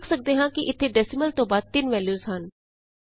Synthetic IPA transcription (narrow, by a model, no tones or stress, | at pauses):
ksək̚d̪eːɦãːkiʔɪt̪ʰːeːɖɛːsɪməlt̪õːbaːd̪̚t̪ɪnʋɛːljuːzɦən